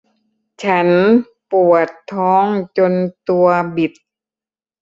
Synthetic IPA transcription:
t͡ɕʰa˦˥n | pu˨˩ət̪ʰːɔː˦˥ŋt͡ɕo˧nt̪u˧ɐbi˨˩t̪̚

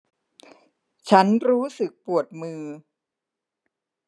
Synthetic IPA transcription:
t͡ɕʰa˦˥nɾuː˦˥sɯ˨˩k̚pu˨˩ət̪̚mɯː˧

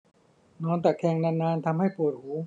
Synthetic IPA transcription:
nɔː˧˥nt̪a˨˩kʰɛː˧˩ŋna˧˥nːaː˧nt̪ʰa˧mha˥˩jpu˨˩ət̪̚huː˩˦

